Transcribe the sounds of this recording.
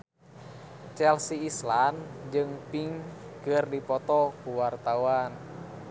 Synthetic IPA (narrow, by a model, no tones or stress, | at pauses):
t͡ʃɛlsiːsland͡ʒɨŋpiŋkɨrdipɔt̪ɔkuwart̪awan